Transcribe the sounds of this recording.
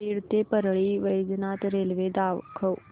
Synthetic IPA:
iɾt̪epəɾɭiːʋəjd͡znat̪ɾelʋed̪aʋkʰəw

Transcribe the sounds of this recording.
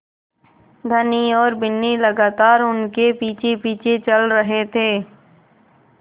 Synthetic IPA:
d̪ʱəniɔːɾbɪnːiləɡaːt̪aːɾʊnkepiːt͡ʃʰepiːt͡ʃʰet͡ʃəlɾəɦet̪ʰeː

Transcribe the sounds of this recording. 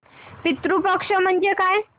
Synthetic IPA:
pit̪ɾupəkʂəm̤əɳd͡ʒekaj

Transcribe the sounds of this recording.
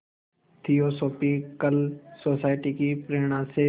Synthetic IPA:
t̪ʰijosoːpikəlsoːsaːɪʈikipɾeːɽ̃ãse

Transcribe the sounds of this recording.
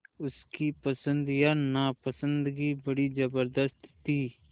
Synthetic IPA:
ʊskipəsə̃nd̪janapəsə̃nd̪ɡibəɽid͡ʒəbəɾd̪əst̪t̪iː

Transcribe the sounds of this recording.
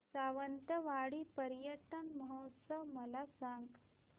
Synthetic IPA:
saʋənt̪əʋaɽiːpəɾjəʈ̪ənməɦɔt̪səʋməlasãŋɡ

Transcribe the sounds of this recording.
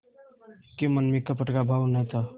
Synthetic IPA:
kemənmikəpəʈkabʱawnəjt̪a

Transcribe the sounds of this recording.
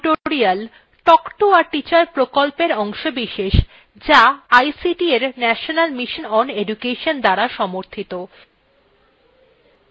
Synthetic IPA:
ʈoɾial | ʈɔkʈoaɾʈit͡ɕaɾpɾokolpeɾɔŋʃobiʃeʃ | d͡ʑaajsiʈieɾnɛʃonalmiʃonɔneɖukeʃond̪aɾaʃɔmoɾt̪ʰit̪o

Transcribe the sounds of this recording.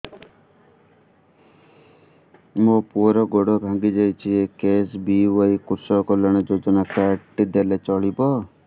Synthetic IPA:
mopuɔɾɔɡɔɽɔbʱãŋɡid͡ʒajt͡ʃʰiekesbiwajkuɾsɔkɔlɔɽ̃ɔd͡ʒod͡ʒɔnakaʈːid̪elet͡ʃɔɭibɔ

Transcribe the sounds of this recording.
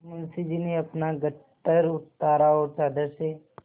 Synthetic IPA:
mɐnsid͡ʒineɐpnaɡəʈːəɾʊt̪ːaːɾaɦoɾt͡ʃaːd̪əɾʃe

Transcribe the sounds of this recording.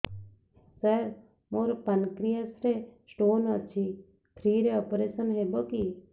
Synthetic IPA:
səɾ | moːɾpənkɾijəsɾesʈoːnət͡ʃʰi | t̪ʰɾiːɾeoːpɾeːsənɦeboki

